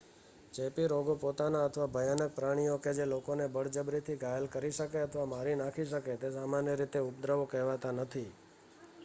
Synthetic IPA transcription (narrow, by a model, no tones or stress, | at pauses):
t͡ʃepiɾoɡopot̪anaət̪ʰʋabʱəjanək̚pɾaɽ̃ijoked͡ʒelokonebəɽ̤d͡ʒəbɾit̪ʰiɡʱajəlkəɾiʃəkeət̪ʰʋamaɾinakʰiʃəket̪esamanjəɾit̪eʊp̚d̪ɾəʋokɛɦʋat̪anət̪ʰi